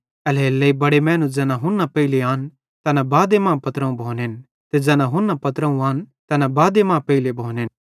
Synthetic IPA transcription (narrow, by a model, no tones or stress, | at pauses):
ɐleːlːeibɐɽemɛ̃ːnũd͡ʒɛːnãɦʊnːapɐileãːn | t̪ɐnabaːd̪emãːpɐt̪ɾə̃ũbʱoːneːn | t̪ed͡ʒɛːnãɦʊnːapɐt̪ɾə̃ũaːnt̪ɐnãbaːd̪emãːpɐɪlebʱoːneːn